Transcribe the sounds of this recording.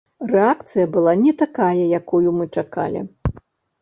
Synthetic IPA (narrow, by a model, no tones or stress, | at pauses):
rɛakt̪sɨjɐbɨlˠanʲɛt̪akajɐjakujumɨt͡ʂaka̰lʲḭ